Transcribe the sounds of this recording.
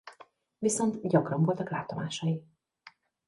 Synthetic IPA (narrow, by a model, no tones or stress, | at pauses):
viso̞nt̪ɟɒkrɒɱvo̞lt̪ɒklaːt̪o̞maːʃɒji